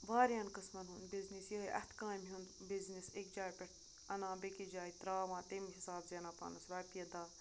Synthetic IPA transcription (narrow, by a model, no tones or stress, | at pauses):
ʋaːɾjaːnkəsmɐnɦund̪biznisjoeʔɐ̰t̪ʰkãːnmiɦũnd̪biznisek̚d͡ʒaːjpʲɛʈ | ɐnãːbekid͡ʒaːit̪ɾaːʋãːt̪emɦisaːbzeːnaːpa̰ːnɐsɾaːpijɐd̪aː